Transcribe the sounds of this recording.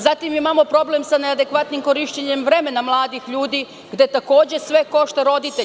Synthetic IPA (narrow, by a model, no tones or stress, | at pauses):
zat̪imimamo̞pɾo̞ble̞msanead̪e̞kʋat̪nimkoɾiʃt͡ɕeɲemʋɾe̞me̞namlˠaːd̪ixʎuːd̪i | ɡd̪e̞t̪ako̞ːd͡ʑe̞sʋe̞ko̞ʃt̪eɾo̞d̪it̪e